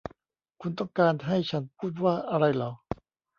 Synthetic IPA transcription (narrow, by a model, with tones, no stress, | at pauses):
kʰu˧nt̪ɔ˥˩ŋkaː˧nɦa˥˩jt͡ɕʰa˦˥npʰuː˥˩t̪̚waː˥˩ʔa˧ɾa˧jlɔː˩˦˥